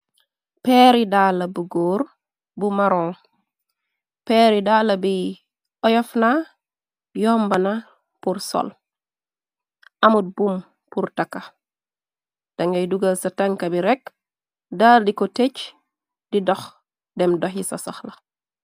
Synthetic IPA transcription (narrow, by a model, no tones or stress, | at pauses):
pɛːɾidaːlːɐbuɡoːr | bumɐɾɔ̃ː | pɛːɾidaːlɐbi | ʔɔjɔfna | jɔmbɐnɐ | puɾsɔ̰l | ʔɐmut̚bum | purtɐkːɐ | d̥ɐŋɡɐjduɡalsɐtɐŋkɐbiɾɛk | daːldikɔtec | d̥idɔx | dɛmdɔxjisɐsɐxlɐ